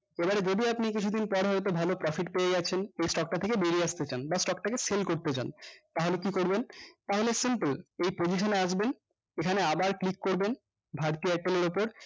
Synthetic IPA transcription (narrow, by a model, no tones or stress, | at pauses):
ebaɾed͡ʑod̪iapnikit͡ɕʰud̪inpɔɾɦɔet̪obʱalopɾɔfiʈpeed͡ʑat͡ɕʰenejsʈɔk̚ʈat̪ʰekebeɾiaʃt̪et͡ɕanbasʈɔk̚ʈakeselkoɾt̪et͡ɕa̰nt̪aɦolekikoɾbent̪aɦolesimpəlejpod͡ʑiʃ̬oneaʃ̬ben | ekʰaneabaɾklikːoɾben | bʱaɾt̪iɛʈeleɾopoɾ